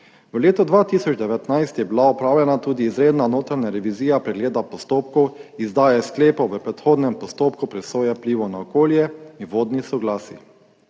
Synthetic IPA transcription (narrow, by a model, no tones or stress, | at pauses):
ʋəleːt̪ɔd̪ʋaːt̪isɔt͡ʃd̪ɛʋɛt̪najst̪jɛbilaɔpɾaːwlɛnat̪uːd̪iːzɾeːd̪nanoːt̪ɾaɲaɾɛʋiziːjapɾɛɡleːd̪apɔst̪oːpkɔwizd̪aːjɛskleːpɔʋəpɾɛt̪xoːd̪nɛmpɔst̪oːpkupɾɛsoːjɛpliːʋɔnaɔkoːljɛinʋoːd̪nisɔɡlaːsḭ